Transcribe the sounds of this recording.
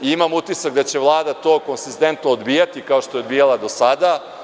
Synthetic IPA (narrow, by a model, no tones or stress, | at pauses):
iimamut̪isak̚d̪at͡ɕe̞ʋlˠaːd̪at̪o̞ːko̞nsist̪e̞nt̪noːd̪biːjat̪ikaoʃt̪o̞eod̪biːjalˠad̪o̞sad̪a